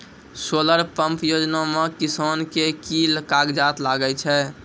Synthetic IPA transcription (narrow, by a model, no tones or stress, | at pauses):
soləɾpəmpjod͡ʒnamekisonkekilkaɡd͡ʒat̪laɡət͡ʃʰɛ